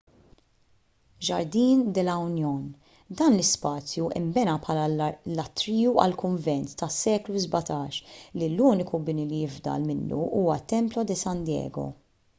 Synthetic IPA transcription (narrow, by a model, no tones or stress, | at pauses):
d͡ʒɐɾd̪iːnd̪ɛlɐwnjɔːn | d̪ɐːnlɪspɐːt͡sjuʔɪ̰mbɛnɐpħɐːlɐlɐt̪ːɾiːjuɐ̰lkʊɱvɛnt̪ːɐsːɛːkluzbɐt̪ɐːʃliluːnɪkubɪnilijɪvd̪ɐ̰lmɪnːṵʔuːwɐt̪ːɛmplɔd̪ɪsɐnd̪jɛ̰ːɡɔ̰